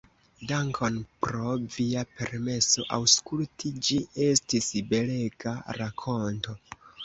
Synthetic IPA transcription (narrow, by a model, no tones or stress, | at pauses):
daŋkʰonpɾo̞viape̞̰ɾme̞so̞̰ʔa̰wskultʰid͡ʒie̞stisbe̞le̞ɡaɾakʰo̞nto̞